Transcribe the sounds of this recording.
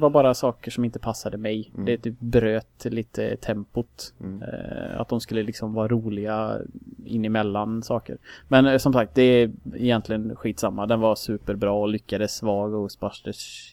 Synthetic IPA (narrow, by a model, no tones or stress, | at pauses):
vaɾbɑːɾasɑːkəʂɔmɪnt̪əpʰasːad̪əmɛjd̪ɛɛt̪ʰyːp̚bɾøːt̪liːt̪ʰə̰t̪ʰɛmpʊt̪ | a̰t̪̚d̪ɔmskɵlːəlɪksɔmvɑːɾaɾuːlɪɡa | ɪ̰nːɪmɛlːansɑːkə̰ɾmɛnsɔmsak̚t̪̚d̪ɛɪjɛnt̪ʰlɪɡənɧiːt̪samːad̪ɛnvasʉːpəɾbɾɑːɔlʏkːad̪əsːvɑːɡɔspaʂʈəʂ